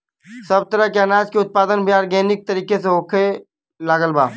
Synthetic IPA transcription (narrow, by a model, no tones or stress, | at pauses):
sɐbt̪əɾəɦkeɐnaːd͡ʒkeʊt̪̚paːd̪ənbʱiaːɾɡeːnɪk̚t̪əɾiːkeseɦoːkʰe | laːɡəlba̰ː